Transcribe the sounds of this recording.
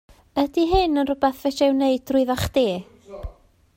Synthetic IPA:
ədiɦɨnənrʊbɛθvɛʃɛwneɨd̥rʊɨðaχd̥eː

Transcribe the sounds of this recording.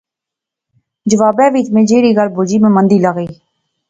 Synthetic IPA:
d͡ʒəʋaːbɛːʋiːt̪mẽːd͡ʒeːɽiːɡəlboːd͡ʒiːmẽːmə̃nd̪iːləɣiː

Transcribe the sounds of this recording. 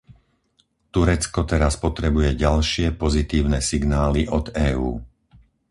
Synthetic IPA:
t̪uɾɛt͡skɔt̪ɛɾaspɔt̪ɾɛbujɛɟalʃɪɛpɔzit̪iːʊnɛsiɡnaːliʔɔd̪ɛːuː

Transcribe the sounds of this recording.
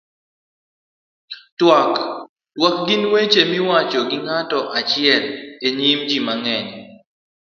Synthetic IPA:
twak | twak̚ɡinwet͡ʃemɪwat͡ʃoɡɪŋatɔʔat͡ʃɪɛleɲimd͡ʒimaŋɛɲi

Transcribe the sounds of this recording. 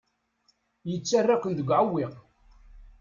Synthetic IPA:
jət͡sːarːakʷənd̪əɡʷʕəwːiq

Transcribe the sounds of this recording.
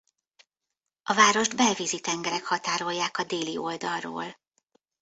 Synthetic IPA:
ɒvaːɾo̞ʒd̪bɛlviːzit̪ɛŋɡɛɾɛkhɒt̪aːɾo̞jːaːkɒd̪eːlio̞ld̪ɒlro̰ːl

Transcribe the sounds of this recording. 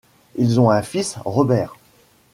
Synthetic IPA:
ilzɔ̃ɛ̃fisʁɔbɛːʁ

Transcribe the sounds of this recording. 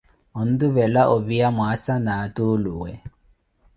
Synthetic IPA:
ɔn̩duβɛlaʔɔβiamwasanaːtuluwɛ

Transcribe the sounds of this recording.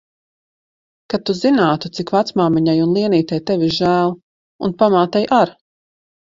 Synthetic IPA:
kat̪ːuzinaːt̪ut̪sikvat̪smaːmiɲajunlˠiɛniːt̪ajt̪evʲiʒæːlˠ | unpamaːt̪ɛjʔaɾ

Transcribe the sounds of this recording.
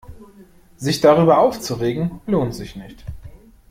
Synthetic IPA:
zɪçd̥aʁyːbɐʔaʊft͡suʁeːɡŋ̩loːntz̥ɪçnɪçt

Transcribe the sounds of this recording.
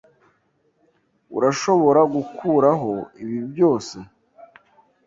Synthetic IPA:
ṵɾaʃo̞βo̞ɾaɡukʰuːɾaɦo̞iβibjo̞ːse̞

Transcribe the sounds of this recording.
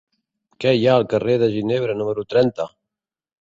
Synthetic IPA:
kɛjaəlˠkəreðəʒineβ̞ɾənuməɾut̪ɾɛnt̪ə

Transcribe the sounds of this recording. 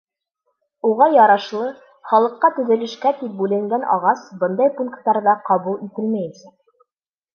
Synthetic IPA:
uʁɑjɑɾɑʃlˠɤ | χɑlˠɤ̆qːɑt̪ɵ̆ðɘ̆lɘ̆ʃkæt̪ip̚bʉlɘ̆ŋɡænʔɑ̰ʁɑsbɤnd̪ɑjpuŋkt̪ːɑɾðɑqɑβulˠit̪ɘlmæjɘnsæk̚

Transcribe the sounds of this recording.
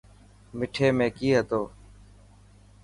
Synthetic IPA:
mɪʈʰeːmẽːkiːɦət̪oː

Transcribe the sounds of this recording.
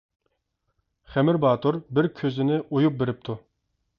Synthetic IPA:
χɛmɪɾbɑːt̪ʰuɾbɪɾkʲʰøzɪnɪʔojup̚beɾɪp̚t̪ʰu

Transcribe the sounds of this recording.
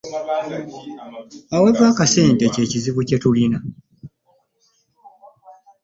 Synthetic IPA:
awevaːkaseːntece̞ːciziβuce̞tulina

